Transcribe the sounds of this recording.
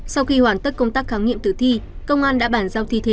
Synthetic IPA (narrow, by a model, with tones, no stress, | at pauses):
sa˧wxi˧hwaː˨˩nt̪ə˦˥t̚kə˧wŋ͡mt̪aː˦˥k̚xaː˨˦wŋḭ˧əmt̪ɨ˨˩t̪ʰi˧ | kə˧wŋ͡mʔaː˧nɗa̰ː˧˥ɓaː˧˩nzaː˧wt̪ʰi˧t̪ʰe˨˦